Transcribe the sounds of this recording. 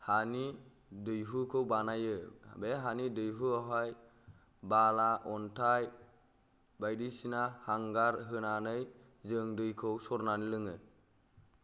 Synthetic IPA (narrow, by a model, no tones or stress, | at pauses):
hani | dɯjɦukʰɯwbanajɯbeɦanidɯjɦuaɦaj | balaʔɔntʰaj | bajdisinahaŋɡaɾɦɯnanɯj | zɯŋdɯjkʰɯwsɔɾnanilɯŋɯ